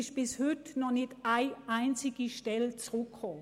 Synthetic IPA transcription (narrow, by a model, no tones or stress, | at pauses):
ɪʃb̥ɪshʏtnɔχnɪtaɪʔaɪnt͡sɪɡəʃtɛlt͡sʁʊkʰhɔ